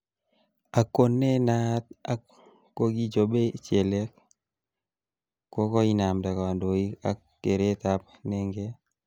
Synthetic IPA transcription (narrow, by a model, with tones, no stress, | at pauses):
a˨kːo˦nːe˦na˦t̪̚a˨kː | o˦ɡi˦d͡ʒobe˦t͡ʃe˨le˦k̚ | ko˦kɔ˦i˦na˨mda˨ka˨wa˨ndo˨i˦ka˦kːe˨ɾe˦t̪a˦p̚ne˦ŋɡe˦